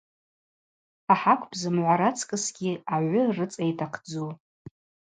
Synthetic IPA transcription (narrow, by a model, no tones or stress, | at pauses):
aħakʷʰʼbʼzɨmʕʷaɾat͡sʰkʼɨsɡʲiaʕʷʊrɨt͡sʼejtʰaqʰd͡zu